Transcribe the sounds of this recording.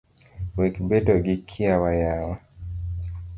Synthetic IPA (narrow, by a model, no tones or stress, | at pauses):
wekbetɔɡikʰːiawajawa